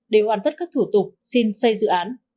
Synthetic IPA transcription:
ɗe˧˩ɦwaː˨˩nt̪ʰə˦˥t̚kaː˦˥k̚t̪ʰu˧˩t̪ʊ˨˩k͡p̚si˧nsə˧jzɨ̰˧˨ʔaː˨˦n

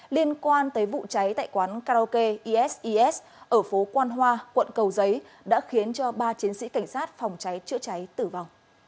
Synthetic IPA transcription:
li˧ənkwaː˧nt̪əː˨˦jvṵ˧˨t͡ɕa˨˦jt̪a̰ː˧˨jkwaː˨˦nkaː˧ʔo˧ke˧ʔi˧ʔɛ˦˥sʔi˧ʔɛ˦˥s | ʔəː˧˩fo˨˦kwaː˧nɦwaː˧kwə̰˧˨nkə˨˩wzə˨˦j | ɗa̰ː˧˥xi˨˦ənt͡ɕɔ˧ɓaː˧t͡ɕi˨˦ənsḭ˧˥ka˧˩jŋ̟saː˦˥t̚fa˨˩wŋ͡mt͡ɕa˨˦jt͡ɕɨ̰˧˥ət͡ɕa˨˦jt̪ɨ˧˩va˨˩wŋ͡m

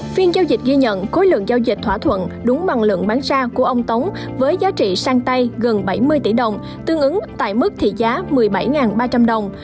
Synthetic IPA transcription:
fi˧ənzaː˧wzi˨˩t̚ɣi˧ɲə̰˧˨nko˨˦jlɨ̰˧˨əŋzaː˧wzï˨˩t̟̚t̪ʰwaː˧˩t̪ʰwə̰˧˨nɗʊ˨˦ŋ͡mɓa˨˩ŋlɨ̰˧˨əŋɓaː˨˦nsaː˧ku˧˩əʔə˧wŋ͡mt̪ə˨˦wŋ͡m | vəː˨˦jzaː˨˦t͡ɕḭ˧˨saː˧ŋt̪a˧jɣə˨˩nɓa˧˩jmɨ˧əjt̪i˧˩ɗə˨˩wŋ͡m | t̪ɨ˧əŋʔɨ˨˦ŋt̪a̰ː˧˨jmɨ˦˥k̚t̪ʰḭ˧˨zaː˨˦mɨ˨˩əjɓa˧˩jŋaː˨˩nɓaː˧t͡ɕa˧mɗə˨˩wŋ͡m

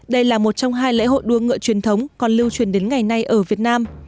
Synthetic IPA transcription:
ɗə˧jlaː˨˩mo˨˩t̚t͡ɕɔ˧wŋ͡mɦaː˧jlḛ˧˥ɦo̰˧˨jɗu˨˦əŋɨ̰˧˨ət͡ɕwi˨˩ənt̪ʰə˨˦wŋ͡mkɔ˨˩nlɨ˧wt͡ɕwi˧˩ənɗe˨˦nŋa˨˩jna˧jʔəː˧˩vi˨˩ət̚naː˧m

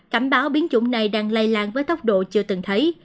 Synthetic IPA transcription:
kaː˧˩mɓaː˨˦wɓi˨˦ənt͡ɕʊ̰˧˩˦ŋ͡mna˨˩jɗaː˧ŋlə˧jlaː˧˨ŋvəː˨˦jt̪ə˦˥wk͡p̚ɗo̰˧˨t͡ɕɨ˧ət̪ɨ˨˩ŋt̪ʰə˨˦j

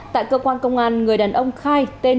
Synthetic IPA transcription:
t̪a̰ː˧˨jkəː˧kwaː˧nkə˧wŋ͡mʔaː˧nŋɨ˨˩əjɗaː˨˩nʔə˧wŋ͡mxaː˧jt̪e˧

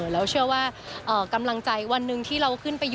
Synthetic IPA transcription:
lɛː˦˥wt͡ɕʰɯ˥˩əwaː˥˩ʔɤː˨˩ka˧mla˧ŋt͡ɕa˧jwa˧nːɯ˧ŋt̪ʰiː˥˩ɾa˧wkʰɯ˥˩npa˧j

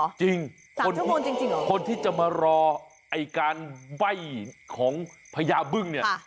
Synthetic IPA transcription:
t͡ɕi˧ŋ | ka˨o˧n˥o˧nt͡ɕi˧ŋt͡ɕi˧ŋɔ˨˦kʰo˧nt̪ʰiː˥˩t͡ɕa˨˩maː˧ɾɔː˧ | ʔa˧jkaː˧nwa˥˩jkʰɔː˩˦ŋ | pʰa˧jaː˧bɯ˥˩ŋni˥˩ɐ˩

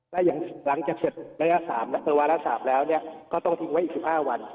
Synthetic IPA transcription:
lɛ˦˥˩ja˨˩ŋla˩˦ŋt͡ɕaː˨˩k̚se˨˩t̪̚ɾa˧˥jlaː˦˥saː˩˦mna˦˥t̪ɯː˨˩˦waː˧la˦˥saː˩˦mlɛː˦˥wni˥˩ɐəkɔː˥˩t̪ɔ˥˩ŋt̪ʰi˧ŋwa˦˥jʔi˨˩ksi˨˩p̚haː˥˩wa˧n

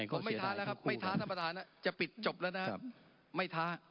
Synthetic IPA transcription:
ko˨˧˦ma˥˩˦t̪ʰaː˦˥lɛː˦˥kʰa˦˥p̚ma˥˩jt̪ʰa˦˥t̪ʰaː˥˩pa˧t̪aː˩˦nːa˦˥t͡ɕa˨˩pi˨˩t̪̚t͡ɕo˨˩p̚lɛː˦˥wna˦˥ | ma˥˩jt̪ʰaː˦˥

